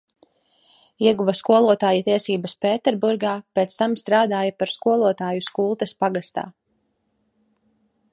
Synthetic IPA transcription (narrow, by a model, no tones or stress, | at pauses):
iɛɡuvaskuɔlˠuɔt̪aːjit̪iɛsiːbɐspeːt̪ɛɾbuɾɡaːpeːt̪st̪amst̪ɾaːd̪aːjapaɾskuɔlˠuɔt̪aːjuskuːlˠt̪ɐspaɡast̪a̰ː